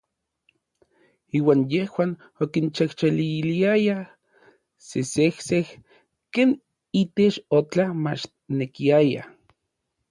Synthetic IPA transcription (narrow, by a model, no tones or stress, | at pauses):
iːwaːnjehwaːn | okint͡ʃaht͡ʃaliliaja | sesehseh | keːn | it̪et͡ʃot͡ɬamat͡ʃ | nekiaja̰